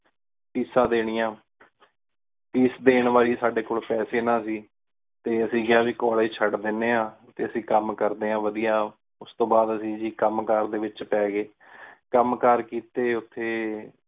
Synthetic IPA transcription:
piːsãːd̪eːɽ̃ɪjãː | piːsd̪eːɳʋaːliːsaːɖeːkoːɭpɛːseːnãːsiː | t̪eːəsĩːɡɪaːʋiːkɔːliːt͡ʃʰəɖd̪ɪnːeːãːt̪eːəsĩːkəmkəɾd̪eːãːʋəd̪ijaː | ʊst̪õːbaːd̪əsĩːd͡ʒiːkəmkəɾd̪eːʋɪt͡ʃpɛːɡeː | kəmkəɾkiːt̪eːʊt̪ʰːeː

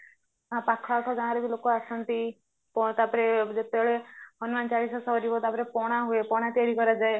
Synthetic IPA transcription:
ãpakʰʋakʰɔɡãɦãɾebʱilokoasɔnt̪i | pɔt̪apɾed͡ʒet̪eɭeɦɔnmant͡ʃaɽisɔsɔɾibɔt̪apɾepɔɽ̃aɦuepɔɽ̃at̪iaɾikɔɾad͡ʒae

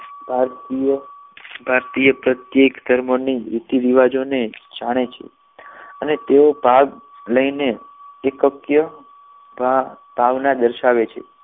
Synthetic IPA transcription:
bʱaɾt̪ijəbʱaɾt̪ijəpɾət̪jekd̪ʱəɾməniɪt̪iʋiʋad͡ʒoned͡ʒaɽ̃et͡ʃʰḛ | ənet̪eobʱaɡ | ləineːkəkjə | bʱa | b̥ʱaʋnad̪əɾʃaʋet͡ʃʰḛ

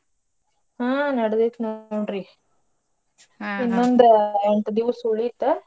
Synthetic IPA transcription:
ɦãːnɐɽɐd̪et̪noɳɾi | inːond̪ɐeɳʈɐd̪iʋɐsuɭit̪ːe

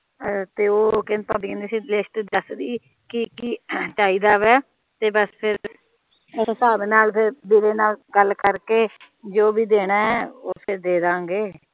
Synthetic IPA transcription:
t̪eːoːkɪnpəːbikːnd̪iːsiːlesʈːd̪əsd̪iː | kɪkiːt͡ʃaːiːd̪aːʋɛː | t̪eːbəspʰɪɾ | ssaːbnaːlpʰɪɾb̪iːɾeːnaːlɡəlːkəɾkeː | d͡ʒoːbiːd̪eːɽaːɛːoːpʰɪɾd̪eːd̪ãːɡeː

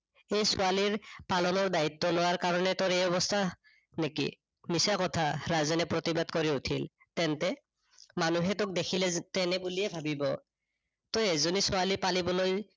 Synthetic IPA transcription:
ejsɔaliɹpalɔnɔɹdait̪ːɔnɔwaɹkaɹɔnɛtɔɹejɔbɔstʰa | nekḭ | misakɔtʰaɹazɛnɛpɹɔt̪ibadkoɹiutʰil | tɛntɛ | manuɦɛtɔk̚dekʰilɛtɛnɛbulijɛbʱabibɔ̰ | t̪ɔezonisʊalipalibɔloj

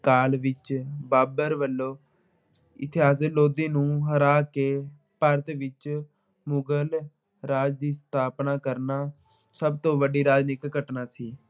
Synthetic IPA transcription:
kaːlʋɪt͡ʃbaːbəɾʋəlːoː | ɪ̰t̪ʰɪɦaːs̬eloːd̪iːnũːɦəɾaːkeː | pəɾət̪ʋɪt͡ʃ | mʊɡəl | ɾaːd͡ʒd̪iːst̪ʰaːpnaːkəɾnaː | səbt̪õːʋəɖiːɾaːd͡ʒnɪkːəʈnaːsiː

